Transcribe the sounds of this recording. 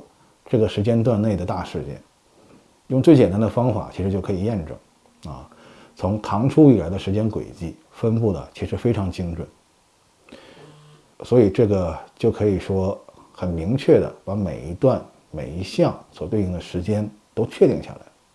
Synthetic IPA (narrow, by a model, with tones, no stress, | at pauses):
ʈ͡ʂɤ˥˩ɡə˩ʂɻ̩˧˥t͡ɕjɛ˥nt̪̬wa˥˧nne˥˩ɪd̪ə˩t̪a˥˧ʂɻ̩˥˧t͡ɕjɛ̰˥˩ | jʊ˥˧ŋt͡swe˥˩ɪt͡ɕjɛ˨˩nt̪a˥n˥d̪ə˧fɑ˥ŋfa̰˨˩t͡ɕʰi˧˥ʂɻ̩˧˥t͡ɕjo˥˩ʊkʰɤ˧˥i˨˩jɛ˥˧nʈ͡ʂɤ̰˥˩ŋ | ɐ̰˧ | t͡sʰʊ˧˥ŋt̪ʰɑ˧˥ŋʈ͡ʂʰu˥i˨˩la˧˥ɪd̪ə˧ʂɻ̩˧˥t͡ɕjɛ˥nkwḛ˨˩ɪt͡ɕi˥˩ | fə˥npu˥˩d̪ə̰˩t͡ɕʰi˧˥ʂɻ̩˧˥fe˥ɪʈ͡ʂʰɑ˧˥ŋt͡ɕi˥ŋʈ͡ʂwə˨˩˦n | swɔ˧˥i˨˩ʈ͡ʂɤ˥˩ɡə˩t͡ɕjo˥˩ʊkʰɤ˧˥i˨˩ʂwɔ˥ | xə˨˩nmi˧˥ŋt͡ɕʰɥɛ˥˩d̪ə̰˩pa˧˥mḛ˨˩ɪi˧˥t̪wa˥˩n | me˨˩ɪi˧˥ɕjɑ˥˩ŋswɔ˨˩t̪we˥˧ɪi˥˩ŋd̪ə˨˩ʂɻ̩˧˥t͡ɕjɛ˥nt̪o˥ʊt͡ɕʰɥɛ˥˧t̪i˥˧ŋɕja̰˥˩la̰˧˥ɪ